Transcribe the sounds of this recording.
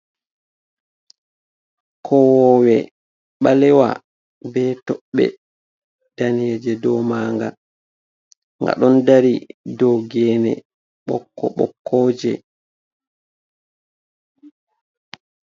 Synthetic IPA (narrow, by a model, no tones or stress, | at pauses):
kʰɔwɔwɛ | ɓalɛwa̰ | bɛtɔɓːɛ̰ | d̥anied͡ʒɛdɔmaːŋɡa | ŋɡa̰ɗɔndaɾidɔɡɛnɛ̰ | ɓɔ̰kːɔ̰ɓɔ̰kːɔːd͡ʒɛ̰